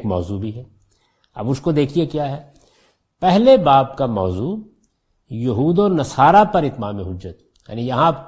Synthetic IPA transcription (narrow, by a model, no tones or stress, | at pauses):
kmɔ̰ːzubʱiɦɛ | ɐ̰bʊskod̪eːkʰiekjaːɦɛː | pɛɦlebaːb̚kamɔːzuː | jɐɦuːd̪onɐsaːɾapɐɾɪt̪maːmeɦʊd͡ʒːət̪̚ | ja̰ːnijɐɦã